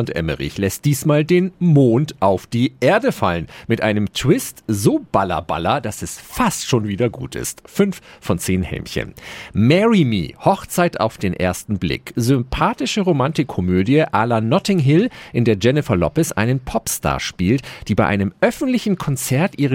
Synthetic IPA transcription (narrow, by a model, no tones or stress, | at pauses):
ntʔɛ̰mə̰ʁɪ̰çlɛst̚d̥iːsmaːldeːnmoːntʔaʊfd̥iːʔeːɐdəfa̰lənmɪtʔaɪnəmtʰw̥ɪstzoːb̥alɐ̰ba̰lɐd̥asɛsfastʃoːnviːdɐɡṵːtɪ̰stfʏnffɔnt͡seːnhɛ̰mçə̰nmɛʁimḭːhɔχt͡saɪta̰ʊfd̥eːnʔḛːɐstn̩blɪ̰kzʏmpʰaːtɪʃəʁomantɪkʰːɔmøːdjəʔaːlanɔtɪŋɦɪlʔɪndeːɐd͡ʒɛnɪfɐlɔ̰pəsʔa̰ɪnənpʰɔpsta̰ːɐʃpiːltd̥iːbaɪʔa̰ɪnəmʔœfn̩tlɪçn̩kʰɔnt͡sɛɐtʔiːʁə